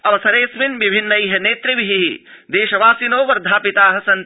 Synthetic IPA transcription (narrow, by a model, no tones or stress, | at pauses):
ɐʋɐsɐɾeːsminʋibʱinːɐjɦɐneːt̪ɾiʋiɦiɦid̪eːʃɐʋaːsinoːʋɐɾd̪ʱaːpit̪aːɦɐ̆sɐn